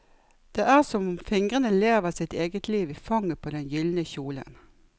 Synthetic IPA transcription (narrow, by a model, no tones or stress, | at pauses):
d̪̥eːʔæːʁsɔmfɪŋʁənəleːʋəʁsɪt̪eːɡət̪ʰliːʋɪfɑŋːəpʰoːd̪ɛnjʏlnəçuːlə̰n